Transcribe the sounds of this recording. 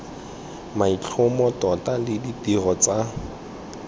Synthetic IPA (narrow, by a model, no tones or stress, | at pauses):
mait͡ɬʰʊmɔtʼɔtʼalɪditirɔt͡sa